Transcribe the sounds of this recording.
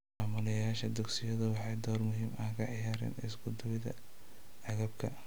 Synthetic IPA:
maːmʊlɐjaːʃɐd̪ɛɡsɪjɐðɐwɑħɑjd̪ɔːrmʊɦiːmɐkʰɐʕɪjaːɾɛ̰ːnɪ̰sɡʊd̪ɐwɪðɐ̰ | ʕɑɣɐb̚kʰɐ̰

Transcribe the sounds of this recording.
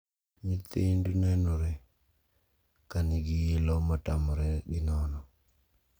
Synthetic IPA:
mit̪endunɛnoɾɛ | kaniɡijelɔmatamɔɾɛɡɪnɔnɔ

